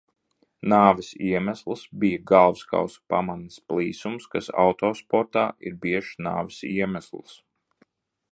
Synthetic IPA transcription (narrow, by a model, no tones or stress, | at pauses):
naːʋɪsiɛmæslˠsbijaɡalˠvska̰wspa̰mansplˠiːsumskasa̰wt̪ɔːspɔɾt̪aːʔḭɾbiɛʃna̰ːʋɪsiɛmæslˠs